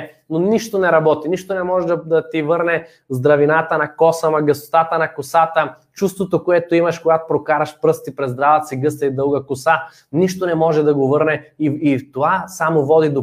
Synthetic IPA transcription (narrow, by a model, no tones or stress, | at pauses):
noniʃt̪onɛɾɐbɔt̪iniʃt̪onɛmɔʒɛd̪ɐd̪ɐt̪ivɤɾnɛ | zd̪ɾɐvinat̪ənɐkɔsəmɐɡɐso̥t̪at̪ənɐkʊsat̪ə | t͡ʃust̪vot̪okoɛt̪oimɐʃkoɡat̪o̥pɾokaɾɐʃpɾɤst̪ipɾɛzd̪ɾavət̪siɡɤst̪ɐid̪ɤlˠɡəkʊsa | niʃt̪onɛmɔʒɛd̪ɐɡovɤɾnɛiit̪ovasamovɔd̪id̪o